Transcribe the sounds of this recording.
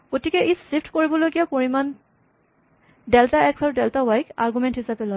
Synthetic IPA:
ɡ̥otikɛʔissifʰtʰkoɹibɔlojkijapoɹiman | dɛltaɛksaɹudɛltawajkaɹɡumɛnthisapɛlɔj

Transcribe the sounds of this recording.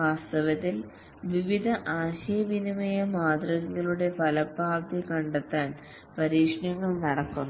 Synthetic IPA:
ʋaːst̪ɐʋɐt̪ːil | ʋiʋid̪ʱɐʔaːɕɐjɐʋinimɐjɐmaːd̪rɐŋiɣɐɭuɽe̞pɐlɐbʱaːpt̪ikɐɳɖɐt̪ːaːn | pɐɾiːʂɳɐŋːɐɭnɐɽɐkːunː

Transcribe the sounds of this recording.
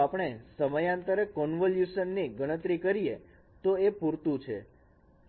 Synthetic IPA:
apɽ̃esəməjãnt̪əɾəkɔnʋəljuʃənːiɡəɽ̃ət̪ɾikəɾije | t̪oepuɾt̪ũt͡ʃʰḛ

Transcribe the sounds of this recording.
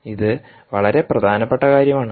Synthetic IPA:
iðɨ | ʋɐɭɐɾe̞prɐd̪ʱaːnɐpːeʈːɐkaːɾjɐmaːɳɨ

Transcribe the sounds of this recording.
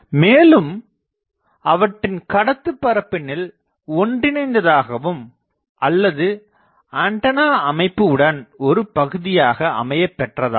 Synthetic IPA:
meːlɯm | ɐʋɐʈːɪnkɐɽɐt̪ːɯpːɐɾɐpːɪnɪl | ɔɳɖɪnɐɪnd̪ɐðaːɣɐʋɯm | ʔɐlːɐðɯ | aːɳʈɐnaːɐmɐɪpːɯɯɽɐnɔɾɯpɐɣɯðɪjaːɣɐɐ̰mɐjɐpːɛʈrɐða̰ː

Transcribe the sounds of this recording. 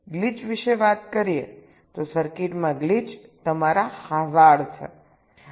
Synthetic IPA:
ɡlid͡ʒʋiʃeʋat̪kəɾie | t̪osəɾkiʈmãɡlid͡ʒt̪əmaɾahazaɽt͡ʃʰḛ

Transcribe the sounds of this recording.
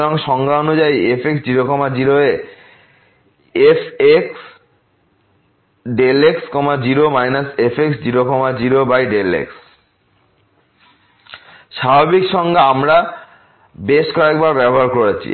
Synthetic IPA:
lɔŋʃɔŋɡaonud͡ʑaiepʰeksd͡ʑiɾokɔmad͡ʑiɾoe | eseks | ɖelekskɔmad͡ʑiɾomajnasepʰeksd͡ʑiɾokɔmad͡ʑiɾobajɖelḛks | ʃababikʃɔŋɡaamɾa | beʃkɔek̚baɾbɛboɦaɾkoɾet͡ɕʰḭ

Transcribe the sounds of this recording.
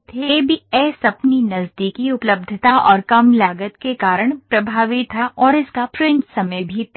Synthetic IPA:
t̪ʰeːbiɛːsɐpninɐzd̪ikiʊpləb̚d̪ʱət̪aʔɔːɾkɐmlaːɡət̪kekaːɾəɽ̃pɾɐbʱaːʋit̪ʰːaʔɔːɾɪskafɾɪ̃ɲt͡ʃsɐməbʱi

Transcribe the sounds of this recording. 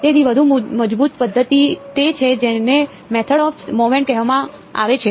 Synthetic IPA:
t̪ed̪iʋəd̪ʱuməd͡ʒbut̪pəd̪ʱːət̪it̪et͡ʃʰed͡ʒene | mɛt̪ʰəɽɔfmomeɳʈɛɦʋamã | a̰ʋet͡ʃʰe

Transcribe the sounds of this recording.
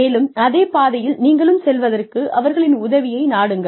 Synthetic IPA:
eːlɯmɐðeːpaːðɐjɪlniːŋɡɐɭɯmsɛlʋɐðɐrkɯʔɐʋɐɾɣɐɭɪnʊðɐʋɪjɐɪnaːɽɯŋɡɐ

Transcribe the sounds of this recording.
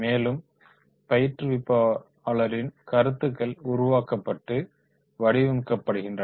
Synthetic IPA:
meːlɯm | pɐjɪʈrɯʋɪpːaː | ɭɐɾɪnkɐɾɯt̪ːɯkːɐɭʊɾʊʋaːkɐpːɐʈːɯ | ʋɐɽɪʋɪmkːɐpːɐɽɯɣɪndrɐ

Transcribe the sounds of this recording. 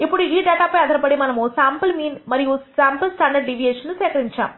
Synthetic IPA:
ipːɔɽiiːɖaːʈaːpːɐjɐd̪ʱɐɾɐpɐɽimɐnɐmoːsaːmpɐlmiːnmɐɾijosaːmplsʈaɳɖɐɾɖɖiʋijeːʂɐnːuseːkɐɾiɲt͡ʃa̰ːm

